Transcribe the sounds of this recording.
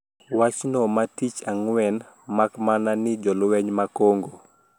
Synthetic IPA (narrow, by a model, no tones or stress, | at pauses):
wat͡ʃnɔmatit͡ʃaŋwɛn | makmananid͡ʒɔluwɛɲmakɔŋɡo